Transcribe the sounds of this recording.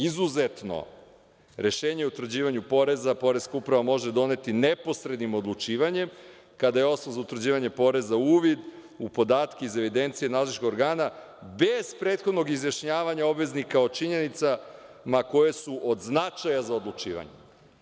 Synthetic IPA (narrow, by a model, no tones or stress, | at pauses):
izuzet̪no̰ | ɾe̞ʃeːɲeut̪vɾ̩d͡ʑiːʋaɲupo̞ɾe̞zapo̞ɾezkaupɾaʋamo̞ʒed̪o̞ne̞t̪inepo̞sɾed̪nimo̞d̪lˠut͡ʂiːʋaɲe̞m | kad̪aje̞o̞snozaut̪ɾ̩d͡ʑiːʋaɲe̞po̞ɾe̞zauːʋid̪ | upo̞d̪aːt̪keize̞ʋid̪e̞nt̪sijenaːzlˠit͡ʃkoɡoɾɡaːna | be̞z̥pɾet̪xo̞d̪no̞ɡizjaʃɲaːʋaɲao̞bʋe̞znikao̞t͡ʃiɲe̞nit̪sa | mako̞jesuʔod̪znat͡ʃajazaod̪lˠut͡ʃḭːʋa̰ɲe